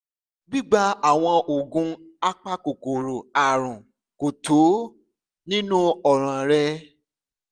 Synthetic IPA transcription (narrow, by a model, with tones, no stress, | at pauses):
bi˦ɡ͡ba˦a˨w̃ɔ̃˧o˨ɡũ˧˦ | a˦k͡pa˦ko˨ko˨ɾo˨a˨ɾ̃ũ˨ | ko˨tʰo˨˦ | nĩ˦nũ˦ɔ˨ɾ̃ã˨ɾɛ˧